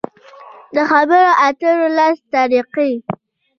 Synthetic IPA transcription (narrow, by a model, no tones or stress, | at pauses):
d̪əxabəɾoʔat̪əɾolast̪ɑɾiqi